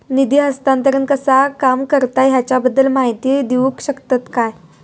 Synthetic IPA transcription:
nid̪iɦəst̪ãnt̪əɾənkəsakamkəɾt̪ajɦjat͡ɕjabəd̪ːəlmaɦit̪id̪iʋuːkɕəkt̪at̪kaj

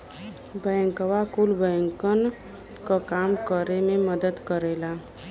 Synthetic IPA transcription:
bɛ̃ːŋkəʋakulbəːŋkən | kakaːmkəɾemẽməd̪əd̪kəɾeːla

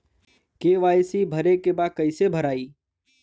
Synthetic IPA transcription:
keːʋaːjsibʱəɾekebakəɪsebʱəɾaːiː

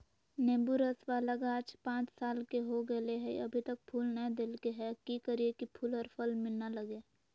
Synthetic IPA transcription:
nẽːbuɾəswalaɡaːd͡ʒpãːt͡ʃsaːlkeɦoɡəleɦɛ̰əbʱit̪ək̚pʰuːlnə̃d̪ɪlkeɦɛkikəɾiekipʰuːlɔɾpʰəlmɪlnaləɡeː

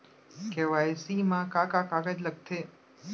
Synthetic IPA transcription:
keʋaesimãkakakaɡad͡ʒləɡ̚t̪ʰe

